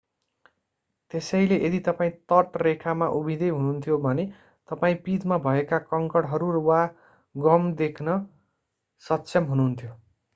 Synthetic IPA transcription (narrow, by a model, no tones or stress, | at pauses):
t̪esʌjleʔed̪it̪ʌpaĩt̪ʌʈrekʰamaʔubʱid̪ʌjɦununt̪ʰjobʱʌne | t̪ʌpaĩpit̪mabʱʌekakʌŋkʌɽɦʌɾurwa | ɡʌmd̪ekʰnʌ | sʌtːsʰʌmɦununt̪ʰjo